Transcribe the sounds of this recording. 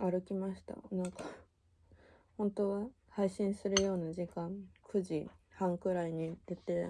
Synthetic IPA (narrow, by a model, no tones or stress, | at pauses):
aɾɯ̟kʲimaɕi̥t̪a̰nãŋka | hõ̞nt̪o̞ːβa | haiɕĩɰ̃sɨɾɯ̟jo̞ːnaʑikãŋkʰɯ̟ʑihãŋkɯ̟ɾaiɲ̟id̪et̪e